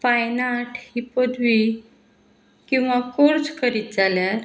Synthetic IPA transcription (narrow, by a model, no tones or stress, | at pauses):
fajnaʈhipəd̪ʋi | kĩw̃ʋakoɾt͡skəɾiːt̪̚d͡zaljaɾ